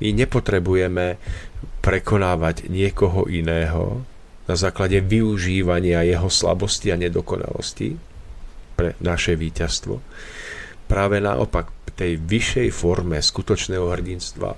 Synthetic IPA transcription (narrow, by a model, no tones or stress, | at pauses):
miɲɛpɔt̪ɾɛbujɛmɛ | pɾɛkɔnaːʋaɟɲɪɛkɔɦɔʔinɛːɦɔ̰ | nazaːklaɟɛʋiuʒiːʋaɲɪajɛɦɔsla̰bɔsciaɲɛd̪ɔkɔna̰lɔ̰scḭ | pɾɛnaʃɛʋiːcast̪ʋɔ̰ | pɾaːʋɛna̰ʔɔ̰pakt̪ɛjʋiʃːɛjfɔɾmɛskut̪ɔt͡ʃnɛːɦɔɦr̩ɟinst̪ʋa̰